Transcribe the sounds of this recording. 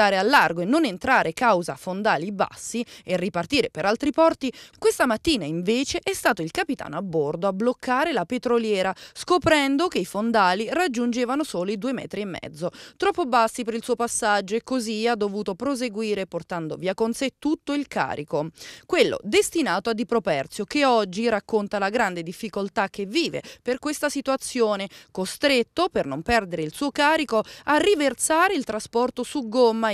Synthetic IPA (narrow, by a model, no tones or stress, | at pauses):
aːɾealːarɡoenːonent̪ɾaːɾekawza̰fond̪aːliba̰sːierːipart̪iːɾepeɾalt̪ɾipɔrt̪ikwest̪amat̪ːiːnaiɱveːt͡ʃeʔɛst̪aːt̪oilkapit̪a̰ːnoabːord̪oablokʰːaːɾelapet̪ɾoljɛːɾaskopɾɛnd̪ok̟eifond̪aːlirad͡ʒːund͡ʒeːvanosoːlid̪uːemɛ̰ːt̪ɾiemːɛ̰d̪zːot̪ɾɔpːobasːipeɾilsuːopasːad͡ʒːoekːoziad̪ːovuːt̪opɾozeɡwiːɾeport̪and̪o̰viːakonset̪ːut̪ːoilka̰ːɾikokwelːo̰d̪est̪inaːt̪oad̪ːipɾopɛrt̪sjokeɔd͡ʒːirakːont̪alaɡɾand̪ed̪ifːikolt̪ak̟ːevːiːvḛperkwest̪asit̪uat̪sːjoːnekost̪ɾet̪ːopernompɛrd̪eɾeilsuːokaːɾikoarːivert̪saːɾeilt̪ɾaspɔrt̪osuɡomːa